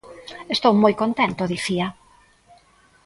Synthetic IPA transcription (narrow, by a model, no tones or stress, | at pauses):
est̪owmojkont̪ent̪ʊðiθia